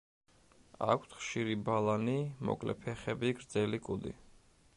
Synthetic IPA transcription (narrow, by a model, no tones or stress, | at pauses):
a̰kʷʰt̪χʃiɾibalanimɔ̰kʼlɛ̰pʰɛχɛbiɡɾd̪zɛlikʼud̪ḭ